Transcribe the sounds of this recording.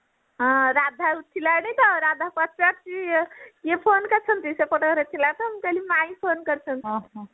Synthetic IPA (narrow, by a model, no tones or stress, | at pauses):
ɦɔ̃ɾad̪ʱaut̪ʰːilanɛt̪ɔɾad̪ʱapat͡ʃpat̚t͡ʃikepʰonkəɾt͡ʃʰənt̪isepəʈəɾet̪ʰilat̪ɔɦəmkəlimaipʰonkəɾt͡ʃʰən